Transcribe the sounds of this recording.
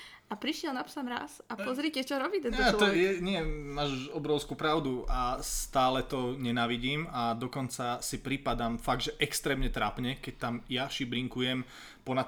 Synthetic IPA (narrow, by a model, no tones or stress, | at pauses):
apɾiʃɪɛlnapsamɾa̰sapɔzɾicɛt͡ʃɔɾɔbiːt̪ɛaɔjɛɲɪɛmaːʒuʃɔbɾɔʊskuːpɾaʊd̪uasst̪aːlɛt̪ɔɲɛnaːʋiɟiːmad̪ɔkɔnt͡sasipɾipad̪amfaɡ̪̚ʒɛʔɛkst̪ɾɛːmɲɛt̪ɾaːpɲɛkɛc̚t̪amjaʃibɾiŋkujɛm | pɔnat̪